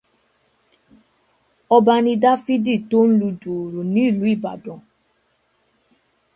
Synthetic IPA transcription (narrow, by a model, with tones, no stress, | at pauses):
ɔ˧ba˧nĩ˧da˦fi˦di˦˨to˦n̩˦lu˧du˨ɾo˨nĩ˨˦i˦˨lu˨˦i˦˨ba̰˨dɔ̃˨